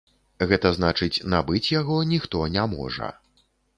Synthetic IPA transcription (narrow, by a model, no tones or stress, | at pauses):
ɣɛt̪ɐznat͡ʂɨt͡sʲnabɨt͡sʲjaɣɔnʲixt̪ɔnʲamɔ̰ʐɐ̰